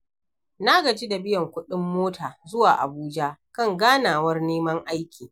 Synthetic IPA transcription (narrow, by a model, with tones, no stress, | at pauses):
na˦ɡɐ˨d͡ʒi˦da˨bɪ˦jɐ˨ŋkʷʊ˦ɗɪ˦mːoː˦tʰaː˨zʊ˦waː˨ʔa̰˨buː˦d͡ʒa˦kɐ˦˨ŋɡaː˦naː˨wɐ˦rneː˦mɐ˦ŋʔa˦jkʲʰiː˨